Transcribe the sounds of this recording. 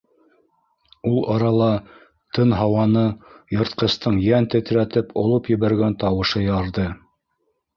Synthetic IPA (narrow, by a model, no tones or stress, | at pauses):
ulˠʔɑɾɑlˠɑ | t̪ɤnɦɑwɑnɤjŏɾt̪̚qɤ̆st̪ɤɴjænt̪ɘ̆t̪ɾæt̪ɘpʰŏlˠɤpjɘ̆βæɾɡænt̪ɑwɤ̆ʃɤjɑɾðɤ